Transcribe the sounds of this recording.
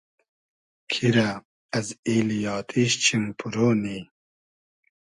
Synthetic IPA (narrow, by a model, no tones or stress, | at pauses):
kʰiɾa | ɐzilijɑːt̪ʰiɕt͡ɕʰimpʰuɾoːni